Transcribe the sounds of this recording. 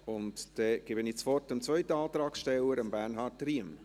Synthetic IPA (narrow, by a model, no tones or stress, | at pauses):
ʊntd̥ɛɡ̥ɪːbənɪt͡sfɔrtəmt͡svœʏtəɑːt̪ɾɑːksʃtɛləɾəmbæɾnɦɑːtriəm